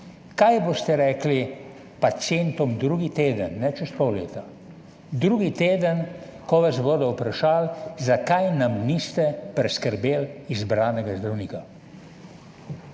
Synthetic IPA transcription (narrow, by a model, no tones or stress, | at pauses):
kajbost̪ɛɾɛːkli | pasjent̪ɔmd̪ɾuɡit̪eːd̪ənːɛt͡ʃɛst̪kowlḛːt̪a | d̪ɾuːɡit̪eːd̪ən | kɔʋasboːd̪ɔupɾaʃaːlzakajnamnist̪ɛpɾɛskəɾbeːlizbɾaːnɛɡazd̪ɾawniːka